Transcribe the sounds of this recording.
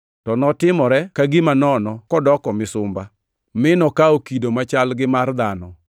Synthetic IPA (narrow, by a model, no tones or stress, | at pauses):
tɔnɔtɪmɔɾɛkaɡimanɔnɔkɔdɔkɔmɪsʊmba | mɪnɔkaokidomat͡ʃalɡɪmard̪anɔ